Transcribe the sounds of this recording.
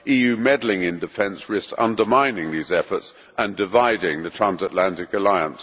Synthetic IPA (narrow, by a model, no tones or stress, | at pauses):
ijʉːmɛdl̩ɪ̃ŋɪ̃ndɨfɛ̃nsɹɪstʌ̰̃ndəmãɪ̃nɪ̃ŋðizɛfəts | ʔə̃ndɪvaɪdɪ̃ŋðɨtʰɹ̥æ̃nzətˡlæ̃ntɪkəlaɪə̃ns